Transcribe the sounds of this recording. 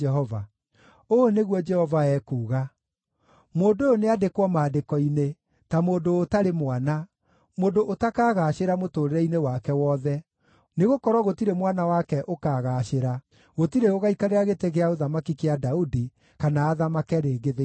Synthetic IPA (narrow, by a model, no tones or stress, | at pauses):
ɛɦɔva | oneɣwɔd͡ʒɛhɔvaɛkuːɣa | moːndooneadekwɔmaːdekɔine | tamoːndoːtaɾemwana | moːndoʔotakaːɣaɕeɾamotoːɾeɾɛinewakɛwɔːðɛ | neɣokɔɾwɔɣotiɾemwanawakɛʔokaːɣaːɕeɾa | ɣotiɾeoɣaikaɾeɾaɣeteɣeaoðamakikeadaudi | kanaːðamakɛɾeːɡeðe